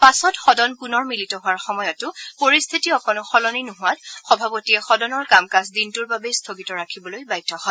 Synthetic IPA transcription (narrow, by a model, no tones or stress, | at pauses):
pasɔtxɔdɔnpunɔɹmilitɔɦʊwaɹxɔmɔjɔtʊpoɹist̪ʰitiɔkɔnʊxɔlɔninʊɦʊwatxɔbʱapotiɛxɔdɔnɔɹkamkasdintʊɹbabɛst̪ʰoɡitɔɹakʰibɔlojbajtʰːɔhɔj